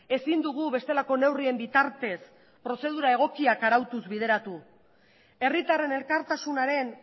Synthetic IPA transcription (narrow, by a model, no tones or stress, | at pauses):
e̞sind̪uɣ̞uβe̞st̪e̞lako̞ne̞wrie̞mbit̪aɾt̪e̞s | pɾo̞se̞ð̞uɾae̞ɣ̞o̞kiakaɾawt̪uzβið̞e̞ɾat̪u | e̞rit̪are̞ne̞lkaɾt̪asunaɾe̞n